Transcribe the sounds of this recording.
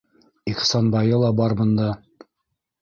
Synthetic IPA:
iqsɑnbɑjɤlˠɑbɑɾbɤ̆nd̪ɑ

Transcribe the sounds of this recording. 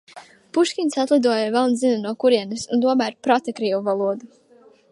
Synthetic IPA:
puʃkʲinʲsat̪lˠid̪uɔjavɛlˠnzinanuɔkuɾiɛnɨsunt̪uɔmæɾpɾat̪akɾiːvuvalˠuɔd̪u

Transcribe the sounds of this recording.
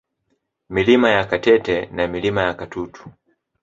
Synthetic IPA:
milimajakatɛtɛnamilimajakatutu̥

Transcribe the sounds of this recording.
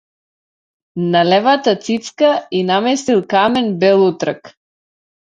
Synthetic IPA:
nalɛvat̪at̪sit̪skainamɛsilˠkamɛnbɛlˠut̪ɾak

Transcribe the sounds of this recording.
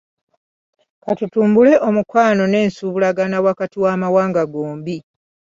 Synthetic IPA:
katutuːmbule̞ʔo̞mukwaːno̞ne̞ːnsuβulaɡanawakatiwaːmawaːŋɡaɡo̞ːmbi

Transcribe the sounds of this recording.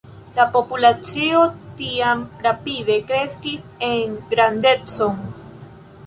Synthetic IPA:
lapo̞pulat͡siot̪iamɾapiðe̞kɾe̞skiseŋɡɾand̪e̞t͡so̞ŋ

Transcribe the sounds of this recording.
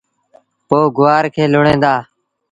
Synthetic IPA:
poːɡʊʋaːɾkʰeːlʊɳẽːd̪aː

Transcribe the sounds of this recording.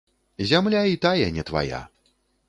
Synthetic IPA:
zʲamlʲait̪ajɐnʲɛt̪va̰ja̰

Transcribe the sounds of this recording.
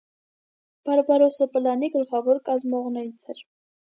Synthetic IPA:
b̥ɑɾbɑɾɔsəpəlɑniɡəɾχɑvɔɾkɑzmɔʁnɛɾit͡sʰɛɾ

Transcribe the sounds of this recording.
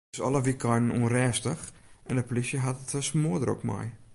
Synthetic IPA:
sɔ̰ləʋikʰɔjnənuənrɛːstəxʔɛndəplisjəɦatətəsmudəɾɔ̰kmɛ̰j

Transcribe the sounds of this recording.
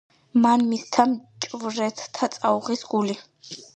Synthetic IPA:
manmist̪ʰamt͡ʃʼvɾɛt̪ʰt̪ʰat̪sʼauʁisɡuli

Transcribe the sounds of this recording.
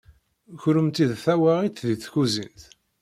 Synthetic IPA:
çɾəmt̪iðθæwaʁit̪ðiθçuzint̪

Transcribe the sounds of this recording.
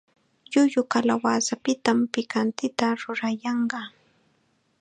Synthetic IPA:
jʊjʊkalawaːsapɪt̪ampɪkant̪ɪt̪aɾʊɾajɑɴɢɑ

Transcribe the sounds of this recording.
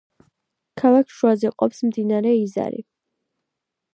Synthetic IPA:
kʰalˠakʰʃuazɛqʼɔpsmd̪inaɾɛiza̰ɾḭ

